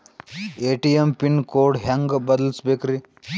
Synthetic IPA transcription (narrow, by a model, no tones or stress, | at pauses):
eʈijempinkoːɽɦɐŋɡbɐd̪əlsbekɾi